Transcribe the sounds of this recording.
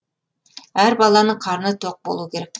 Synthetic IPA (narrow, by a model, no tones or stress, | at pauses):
hæɾbɑlˠɑnɨqʰɑɾnɨt̪ʰoq̚bo̰lˠukʲeɾek̪̚ʲ